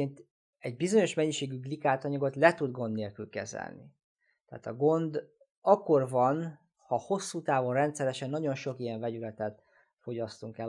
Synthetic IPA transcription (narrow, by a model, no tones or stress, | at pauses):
eːnt̪ | ɛɟ̚bizo̞ɲo̞ʃmɛɲːiʃeːɡyɡlikaːt̪ɒɲɒɡo̞t̪lɛt̪ud̪ɡo̞nd̪neːlkylkɛ̰zɛ̰lnḭ | t̪ɛ̰ːt̪ɒɡo̞nd̪ | ɒkːo̞rvɒn | hɒho̞sːuːt̪aːvo̞nrɛnt̪sɛɾɛʃɛnːɒɟo̞nʃo̞kijɛɱvɛɟylɛt̪ɛt̪ | fo̞ɟɒst̪uŋkɛ